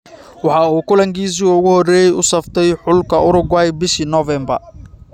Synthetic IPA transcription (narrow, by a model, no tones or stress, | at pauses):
wɑħɑuːkʊlɐŋkiːs̬iːʊɣʊhɔrɛːjɛjʊsɐft̪ʰɛjħʊlkʰɐʊɾʊɡwajbɪʃiːnɔvɛmbɐ̰r